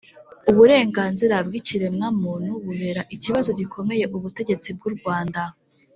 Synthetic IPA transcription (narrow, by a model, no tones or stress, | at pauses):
uβuɾe̞ːŋɡaːnziɾavɡiciɾe̞mŋaːmuːn̥huβuβe̞ɾaʔiciβazo̞ɟikʰo̞me̞je̞ʔuβute̞ɟe̞t͡sib̚ɡuɾɡwaːnda